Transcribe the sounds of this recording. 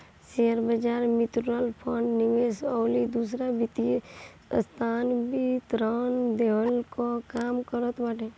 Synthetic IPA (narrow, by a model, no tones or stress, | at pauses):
seəɾbəd͡ʒaɾmit̪ɾəlpʰəɳɖniʋesɔːlid̪us̬ɾabit̪ie | ə̰st̪ʰanbʱit̪ɾənd̪eəlkokamkəɾət̪baʈe